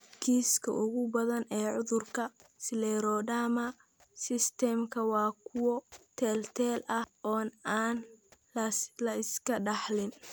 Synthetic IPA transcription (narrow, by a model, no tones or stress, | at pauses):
kʰiːskʰɐ̰ʔʊɣʊbɐðɐnɛːʕʊðʊrkʰɐsɪlɛːɾɔːdaːmɐ | sɪst̪ʰɛmkʰɐwɑːkʰʊwɔt̪ʰɛːlt̪ʰɛːlɐhʔɔːnaːn | ɐlɐɪskʰɐɖɑħlɪn